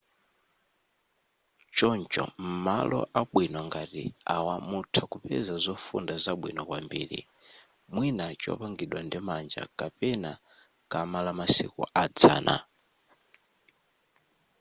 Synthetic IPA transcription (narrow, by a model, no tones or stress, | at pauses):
t͡ʃɔnt͡ʃɔ̰m̩malɔ̰ʔaɓwinɔŋɡatiawamutʰakupɛ̰zazɔfṵndazaɓwinɔkwambiːɾḭ | mwinat͡ʃɔ̰paŋɡiɗwandimand͡ʒa̰kapɛna | kamalamasikṵʔad͡za̰ːnʔa̰